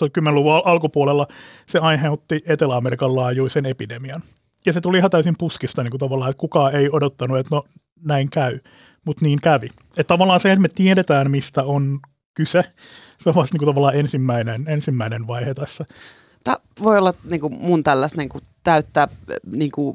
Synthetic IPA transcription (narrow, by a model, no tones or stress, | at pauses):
sokymːenluʋuɑɑlkupuolelːɑseɑinheut̪ːiet̪elæɑmerikɑllɑːjuisenepidemiɑn | jɑset̪uliihɑnt̪æysimpuskist̪ɑniːŋkut̪ɑʋɑlːˑɑːet̪kukɑːeiodot̪ːɑnuet̪no | næiŋkæy | mut̪niːŋkæʋi | et̪t̪ɑʋɑlːˑɑːnseet̪met̪ieɾet̪æːnmist̪æon | kyse | seoʋɑst̪niːŋkut̪ɑʋɑlːˑɑːensimːæinenensimːæinenʋɑihet̪ɑsːɑ | t̪ɑʋoiolːɑniːŋkumunt̪ælːæsneŋku | t̪æyt̪ːæːniːŋku